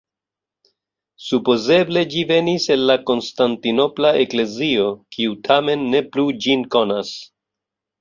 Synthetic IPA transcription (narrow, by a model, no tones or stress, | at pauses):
supo̞ze̞ble̞d͡ʒive̞nise̞nlako̞nstantino̞plaʔe̞kle̞zio̞kʰiutʰame̞nːe̞plud͡ʒinko̞nas